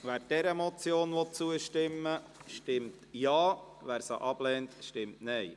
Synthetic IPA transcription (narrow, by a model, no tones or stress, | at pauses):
ʋæːɾd̥ɛɾəmɔt͡sjoːnʋot͡suəʃtɪmːə | ʃtɪmtjɑːʋæːɾsəʔɑb̥lɛːntʃtɪmtnɛj